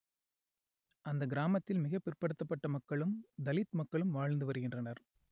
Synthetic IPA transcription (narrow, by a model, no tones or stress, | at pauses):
ʔɐnd̪ɐɡɪɾaːmɐt̪ːɪlmɪɣɐpːɪrpɐɽɯt̪ːɐpːɐʈːɐmɐkːɐɭɯmd̪ɐlɪt̪mɐkːɐɭɯmʋaːɻnd̪ɯʋɐɾɯɣɪndrɐnɐɾ